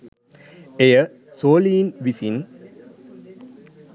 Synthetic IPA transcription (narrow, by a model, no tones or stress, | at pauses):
ejə | soːliːnʋisin